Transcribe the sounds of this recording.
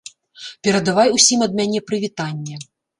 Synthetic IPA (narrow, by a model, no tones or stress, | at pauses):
pʲɛɾɐd̪avajusʲimɐd̪̚mʲanʲɛpɾɨvʲit̪anʲːɛ